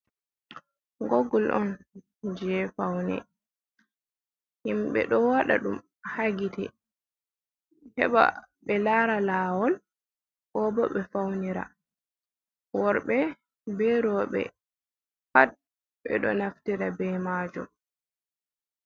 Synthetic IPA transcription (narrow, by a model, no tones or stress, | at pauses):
ɡoɡːɔlʔɔn | d͡ʒɛfawnɛ̰ | himɓɛ̰ɗɔwaɗa̰ɗum | haɡitɛ̰ | hɛɓa̰ɓɛlaɾalaːwɔl | ɓɔːbɔɓɛfawniɾa̰ | wɔɾɓɛ | bɛɾɔːɓɛ̰ | hat̚ | ɓɛ̰ɗɔnaftiɾabɛmaːd͡ʒɔ̰m